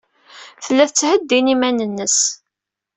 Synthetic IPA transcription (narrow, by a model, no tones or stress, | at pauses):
θəlːæθt͡sːhəd̪ːinimænənːəs